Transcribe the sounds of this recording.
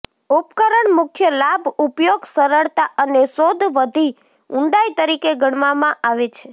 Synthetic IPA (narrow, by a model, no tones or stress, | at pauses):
upkəɾəɳmʊkʰjəlabʱupjoɡsəɾəɭt̪aʔənesod̪ʱʋəd̪ʱi | ũɳɖajt̪əɾikeɡəɽ̃ʋamãʔaʋet͡ʃʰe